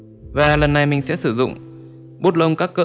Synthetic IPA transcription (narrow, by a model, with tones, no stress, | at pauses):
vaː˨˩lə˨˩nːa˧jmï˨˩ŋ̟sɛ̰˧˥sɨ˧˩zʊ̰˧˨ŋ͡m | ɓo˦˥t̚lə˧wŋ͡mkaː˦˥kːə̰ː˧˦